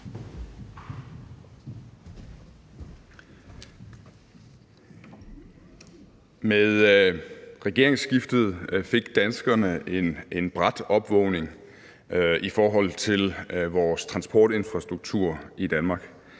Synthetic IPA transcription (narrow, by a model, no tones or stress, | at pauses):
meðˠ | ʁɛɡ̥e̝ɐeŋsɡ̥ifd̥ð̞̩ˠfe̝ɡ̥d̥ænsɡ̥ɐnəenenb̥ʁad̥ɒ̽b̥ʋɔʊne̝ŋ | ifɒːɦɒ̽l̰t͡sʰe̝lʋɒːst͡sʰʁɑ̈nsb̥ʰɒ̰ːd̥e̝nfʁɑ̈sd̥ʁuɡ̥̚t͡sʰuɐ̰id̥ænmɑ̈ːɡ̥